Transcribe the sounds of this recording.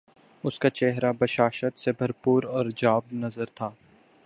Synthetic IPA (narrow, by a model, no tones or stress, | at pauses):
ʊskat͡ʃɛɦɾabɐʃaːʃət̪sebʱɐɾpuːɾɔːɾd͡ʒaːbnɐzəɾt̪ʰaː